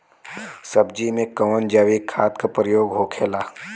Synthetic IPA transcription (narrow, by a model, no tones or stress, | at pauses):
sɐb̚d͡ʒimẽkɔːnd͡ʒaːʋikʰaːt̪kapɾəjoːɡɦoːkʰeːlaː